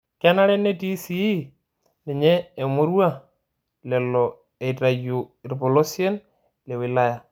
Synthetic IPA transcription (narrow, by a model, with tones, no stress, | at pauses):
ka˦na˦ɾɛ˦ne˦ti˦si˦ | lɪ˨ɲɛː˦˨mo˦ɾwa˦ | lɛ˨lːɔ˨ | e˨i˨ta˨ju˨ɪ˨rbɔ˨lo˦sjɛ˦n | lɛ˨wɪ˨la˦ja˨